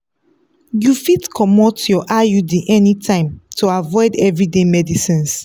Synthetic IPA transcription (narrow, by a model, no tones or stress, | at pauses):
jufitkʰɔmɔtjɔʔajudiʔɛnitʰãɪ̃mtʰuavɔɪdɛvɹidemɛdisĩns